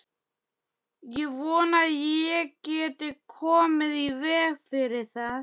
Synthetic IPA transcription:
jɛɣvɔːnajɛcɛːt̪ɪkʰɔːmɪðivɛːɣfɪɾɪ̥θað

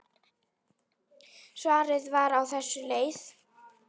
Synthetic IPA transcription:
svaːɾɪðvaɾawθɛsːʏleːjð

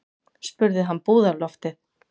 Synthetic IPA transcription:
spʏɾðɪɦanːpuːðaɾlɔft̪ɪð

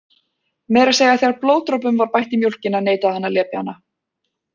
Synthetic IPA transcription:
mɛːɾaseːjaθjaɾploːwt̪ɾowp̬ʏmvaɾpajht̪ɪmjowl̥cɪnaneːjt̪aɛnːaljɛːpja̰nːa

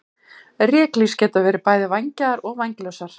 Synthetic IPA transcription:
rjɛːkliscɛːt̪avɛːɾɪpaːjðɪvajɲcaðaɾɔɣvajɲklœwsaɾ̥

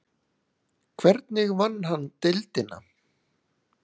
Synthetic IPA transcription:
kʰvɛɾt̪nɪɣvanːɦanːt̪ɪlt̪ɪnːa̰

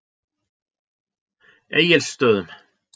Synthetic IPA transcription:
eːjɪlsːt̪œːðʏm

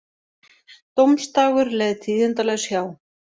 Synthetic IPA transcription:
t̪owmst̪aːɣʏɾlɛðt̪ʰiːðʏnt̪alɛɣsjaːw

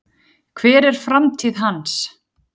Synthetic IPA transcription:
kʰvɛːɾɛɾ̥fɾamt̪ʰiːðɦans

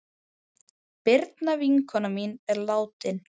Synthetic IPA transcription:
pɪɾt̪naviŋkʰɔnɔminɛɾlaːwt̪ɪn

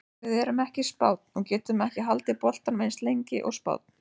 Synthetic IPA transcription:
ɪðɛɾʏmɛhcɪspaːwt̪̚nɔɣcɛːt̪ʏmɛhcɪɦalt̪ɪpɔl̥t̪anmejnst̪lejɲcɪ̰ʔɔ̰ɣspa̰ːwt̪̚n̥

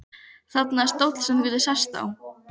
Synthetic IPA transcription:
θat̪naɛst̪owt̪l̥sɛnvɪːðɪsḁst̪a̰w

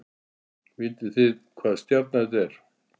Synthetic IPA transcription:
vɪjt̪ɪθɪðkʰvaːðst̪jat̪̚naɛt̪ɛɾ̥

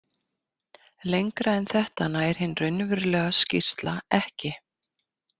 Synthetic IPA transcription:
lejŋkɾaɛnθɛht̪anaːɛɾ̥hɪnːrʏnvʏɾlɛːɣascḭr̥t̪laɛhcɪ

